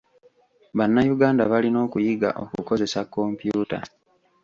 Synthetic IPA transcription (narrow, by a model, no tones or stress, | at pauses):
βanːajuɡaːndaβalino̞ːkujiɡa̰ʔo̞̰kuko̞ze̞sakːo̞mpjuːta̰